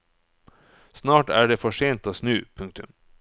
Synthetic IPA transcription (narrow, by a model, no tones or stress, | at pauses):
snɑːʈæ̰ːɖeːfɔʂeːnt̪oːsnʉːpʰɵŋk̚t̪ʉ̰m